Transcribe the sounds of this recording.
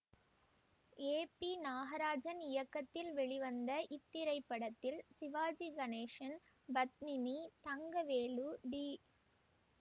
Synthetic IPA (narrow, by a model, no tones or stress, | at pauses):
eːpinaːɣɐɾaːd͡ʒɐnɪjɐkːɐt̪ːɪlʋɛɭɪʋɐnd̪ɐʔɪt̪ːɪɾɐɪpːɐɽɐt̪ːɪlsɪʋaːd͡ʒiɡɐneːʂɐn | bɐt̪̚mɪnit̪ɐŋɡɐʋeːluɖiː